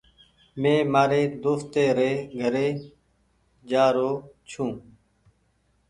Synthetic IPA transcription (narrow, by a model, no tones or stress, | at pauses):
mẽːmaːɾeːd̪oːft̪eːɾeːɡʱəɾeː | d͡ʒaːɾoːt͡ʃʰũː